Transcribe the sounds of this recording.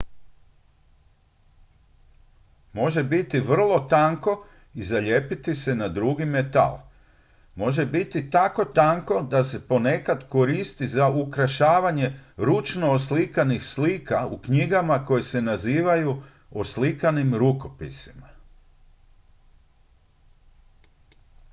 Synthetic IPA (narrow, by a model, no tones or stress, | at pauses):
mo̞ʒe̞bit̪iʋr̩lˠo̞t̪aŋko̞ | izaʎe̞pit̪ise̞nad̪ɾuɡime̞t̪a̰l | mo̞ʒe̞bit̪it̪ako̞t̪aŋko̞d̪ase̞po̞ne̞kad̪ko̞ɾist̪izaukɾaʃaːʋaɲe̞ɾut͡ʃno̞ːslikanixsliːkaukɲiɡamako̞jese̞naziːʋaju | oslikanimɾuko̞pḭsi̥ma